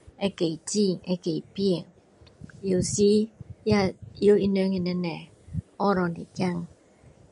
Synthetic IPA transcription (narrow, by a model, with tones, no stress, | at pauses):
e˦ke˨i˨ti˦˨ŋe˦ke˨i˨pi˦e˨ŋ | jo˨si˦ja˦˨jo˦i˦nø˦ŋi˨nɛ˦nɛ˨ | ɔ˦ɾɔ˨nḭ˨d͡ʒa˦˨ŋ